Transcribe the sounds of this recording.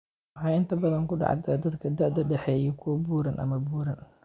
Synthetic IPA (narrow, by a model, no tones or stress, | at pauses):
wħɑjɪnt̪ʰɐbɐðɐŋkʊɖɑ̰ʕ̰d̪ɐd̪ɐd̪kʰɐd̪ɐʔd̪ɐɖɛħɛːjɛkʰubuːɾɐnʔɐ̰mɐbuːɾɐn